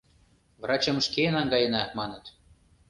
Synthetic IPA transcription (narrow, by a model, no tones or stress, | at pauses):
vrɑt͡ɕɤ̆mʃkenɑŋɡɑjənɑmɑnə̆t̪